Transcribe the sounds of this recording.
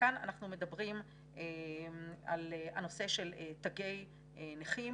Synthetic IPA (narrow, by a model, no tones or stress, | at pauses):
ana̰naχnume̞dɐbʁim | ʔe | aleano̞se̞ʃe̞letaɡe̞j | eneχim